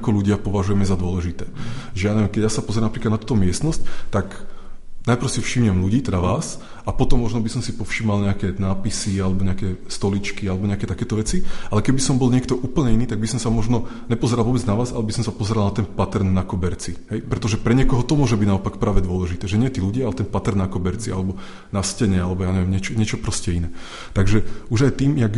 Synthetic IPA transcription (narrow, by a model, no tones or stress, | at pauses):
kɔluɟɪapɔʋaʒujɛmɛzad̪ʊɔlɛʒit̪ɛːʒɛjanɛɛmkɛɟjasapɔzɛɾamnapɾiklad̪at̪uːt̪ɔmɪɛst̪nɔsc̚t̪ak | najpɾ̩ʊsifʃimɲɛmluɟiːt̪ɛd̪aʋaːs | apɔt̪ɔmːɔʒnɔbisɔmsipɔfʃimalɲɛakɛnaːpisialɛbɔɲɛakɛst̪ɔlit͡ʃkialɛbɔɲɛakɛːt̪akɛːt̪ɔʋɛt͡sialɛkɛbisɔmbɔlɲɪɛkt̪ɔʔuːpl̩ɲɛiniːt̪aɡ̚bisɔmsamɔʒnɔɲɛpɔzɛɾalˠʋɔːbɛd͡znaʋaːza̰lɛbisɔmsapɔzɛɾalˠnat̪ɛnpat̪ɛɾnːakɔbɛɾt͡siɦɛjpɾɛt̪ɔʒɛpɾɛɲɪɛkɔɦɔt̪ɔmʊɔʒɛbiɟnaɔpakpɾaːʋɛd̪ʊɔlɛʒit̪ɛːʒɛɲɪɛt̪iːluɟɪaalɛt̪ɛnpat̪ɛɾnːakɔbɛɾt͡sia̰lɛbɔ | nascɛɲɛalɛbɔjaːɲɛʋjɛmɲɛt͡ʃɔɲɪɛt͡ʃɔpɾɔscɛinɛː | t̪aɡʒɛuʒajt̪iːmjaɡ